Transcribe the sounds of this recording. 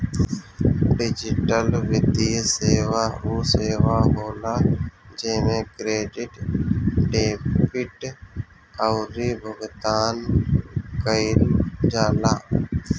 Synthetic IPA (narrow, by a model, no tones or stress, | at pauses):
ɖɪd͡ʒɪʈəlʋɪd̪ijseːʋaːuːseːʋaːɦoːlaːd͡ʒeːmẽːkɾeːɖɪʈ | ɖeːpɪʈ | əʊɾiːbʱəɡt̪aːn | kəɪld͡ʒaːlaː